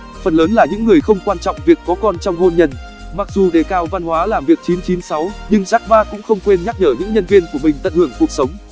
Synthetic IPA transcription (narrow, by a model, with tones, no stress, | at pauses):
fə˨˩nləː˨˦nlaː˨˩ɲɨ̰˧˥ŋːɨ˨˩əjxə˧wŋ͡mkwaː˧nt͡ɕɔ̰˧˨wŋ͡mvi˨˩əkːɔ˨˦kɔ˧nt͡ɕɔ˧wŋ͡mho˧nɲə˧˩n | ma˨˩k̚zu˨˩ɗe˨˩kaː˧˩wva˧nhwaː˨˦laː˨˩mvi˨˩ək̚t͡ɕi˨˦nt͡ɕi˨˦nsa˨˦wɲɨ˧ŋzaː˦˥k̚ɓaː˧kʊ̰˧˥ŋ͡mxə˧wŋ͡mkwe˧nɲa˦˥k̚ɲəː˧˩ɲɨ̰˧˥ŋɲə˧nvi˧ənku˧˩əmï˨˩ŋ̟t̪ə̰˧˨nhɨ˧˩əŋfu˨˩ək̚sə˨˦wŋ͡m